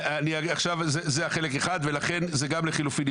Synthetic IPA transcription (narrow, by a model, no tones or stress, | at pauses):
aniaaχʃavzezeaχe̞lekeχad̪ve̞laχe̞nzeɡamleχilufin